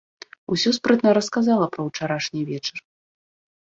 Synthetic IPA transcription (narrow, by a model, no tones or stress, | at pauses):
usʲɔspɾɨt̪nɐɾɐskazalˠɐpɾɐwt͡ʂaɾaʂnʲivʲɛt͡ʂɐr